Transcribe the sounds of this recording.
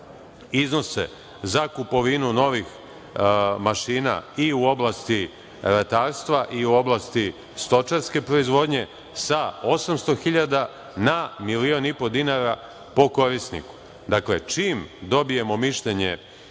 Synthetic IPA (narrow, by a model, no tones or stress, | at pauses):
izno̞se̞̰ | zakupo̞ʋinuno̞ʋix | maʃiːna̰iuo̞blˠast̪i | ɾat̪aːɾst̪ʋaʔiuo̞blˠast̪i | st̪o̞t͡ʃaɾske̞pɾo̞izʋo̞d̪ɲe̞ | sao̞samst̪o̞xiʎad̪a | namilio̞nipo̞d̪inaɾa | po̞ko̞ɾisnḭku̥ | d̪akle̞t͡ʃiːmd̪o̞bije̞mo̞miʃʎeɲe̞̰